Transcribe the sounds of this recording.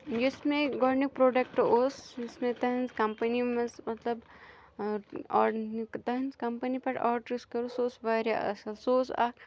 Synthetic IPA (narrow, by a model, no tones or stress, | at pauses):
d͡ʒismẽɡɔːɾnik̚pɾoːɖɐk̚ʈosɪsmẽt̪ɐɦɐnzkɐmpɐnimɐsmɐt̪lɐb | ɔːnikt̪ɐɦɐnskɐmpɐnipɐʈɔːɾʈɾiskɐɾusoːsʋɐɾjaʔɐ̰sɐlsoːsa̰ːk